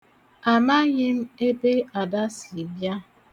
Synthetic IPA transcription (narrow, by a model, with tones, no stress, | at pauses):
a˨ma˦ɣɪ˦m̩˦e˦be˦a˨da˦si˨bja˦